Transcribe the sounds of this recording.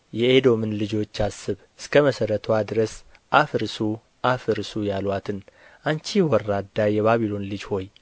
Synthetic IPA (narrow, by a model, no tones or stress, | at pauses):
jɛed̪o̞mɨnlɨd͡ʒo̞t͡ʃːasːɨβ | ɨskʰəməsəɾət̪ʰwad̪ɨɾəs | ʔafɨɾsu | ʔafɨɾsujalwat̪ʰɨn | ʔant͡ʃiwɔɾːad̪ːajɛβaβilo̞nlɨd͡ʒho̞j